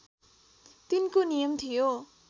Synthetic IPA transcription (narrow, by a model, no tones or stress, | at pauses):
t̪inkonijʌmt̪ʰijo